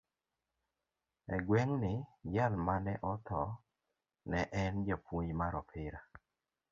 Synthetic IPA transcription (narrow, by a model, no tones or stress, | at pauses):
ɛɡwɛŋnɪd͡ʒalmanɛʔɔt̪ɔ | nɛʔɛnd͡ʒapwoɲmaɾɔpʰɪɾa